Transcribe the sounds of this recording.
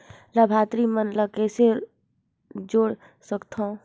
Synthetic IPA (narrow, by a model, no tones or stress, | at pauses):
ləbʱaːt̪ɾimənləkɛːse | d͡ʒoːɽ | səkt̪ʰõ